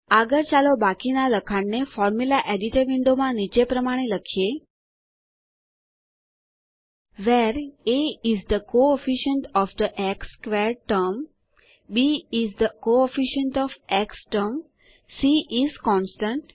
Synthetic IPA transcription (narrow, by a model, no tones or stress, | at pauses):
aɡəɾt͡ʃalobakinaləkʰaɽnefɔɾmulaʔeɖiʈəɾʋɪ̃ɳɖomãnit͡ʃepɾəmaɽ̃eləkʰje | ʋeɾeizd̪əkoefiʃəɳʈɔfd̪əʔekskʋeɾʈəɾm | biizd̪əkoefiʃəɳʈɔfeksʈəɾm | siʔizkɔ̃nsʈə̃ɳʈ